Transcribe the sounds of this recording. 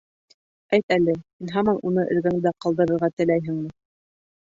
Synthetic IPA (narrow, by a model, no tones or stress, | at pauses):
æjt̪ælɘhinɦɑmɑnʔunɤʔɘ̆ɾɡæŋd̪æqɑlˠd̪ɤ̆ɾɤ̆ɾʁɑt̪ɘ̆læjɦɘ̆ŋmɘ